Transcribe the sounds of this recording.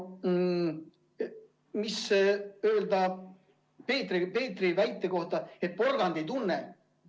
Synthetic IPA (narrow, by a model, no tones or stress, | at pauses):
misø̞ːld̪ɑ | peːt̪ripe̞ːt̪ːrivæjt̪ːˑe̞ko̞ht̪ɑe̞t̪̚po̞rɡ̥ɑnd̪e̞jt̪unːe